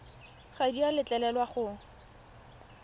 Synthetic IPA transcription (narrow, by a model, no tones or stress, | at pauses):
χadialɪt͡ɬʼɛlɛlwaχʊ